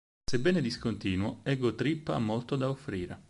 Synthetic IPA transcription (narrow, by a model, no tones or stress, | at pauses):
sebːɛːned̪iskont̪iːnwoɛɡːot̪ɾipːa̰mːolt̪od̪aofːɾiːɾe